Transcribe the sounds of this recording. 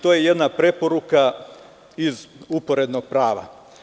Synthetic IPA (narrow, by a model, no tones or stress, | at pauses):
t̪oːje̞je̞d̪napɾe̞po̞ɾuka | izupo̞ɾe̞d̪no̞ɡ̥̚pɾaːʋa̰